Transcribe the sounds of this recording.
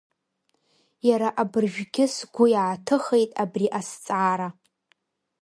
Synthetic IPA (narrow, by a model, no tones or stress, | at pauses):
jaɾaʔabɨrʒᶣɡʲɪsɡʷʊjaːtʰɨχejtʼabriʔast͡sʼaːɾa